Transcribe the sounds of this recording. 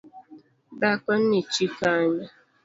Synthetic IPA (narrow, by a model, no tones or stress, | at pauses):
bakɔn̩nit͡ʃifaɲa